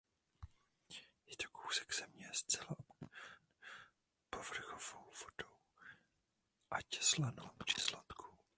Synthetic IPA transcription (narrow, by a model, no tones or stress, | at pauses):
jɛt̪o̥kʰowsɛ̥kz̥ɛmɲɛst͡sɛlaʔ | povr̩xovowvod̥ow | ʔacɛ̥slanomɾɪ̥slat̪kʰu